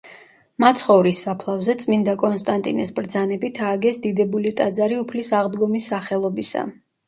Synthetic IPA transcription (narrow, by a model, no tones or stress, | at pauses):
mat̪sʰχɔvɾisːapʰlˠavzɛt̪sʼmind̪akʼɔnst̪ʼant̪ʼḭnɛsbɾd̪zanɛbit̪ʰaːɡɛsd̪id̪ɛbulit̪ʼad̪zaɾiupʰlisaʁd̪ɡɔmisːaχɛlˠɔbisa̰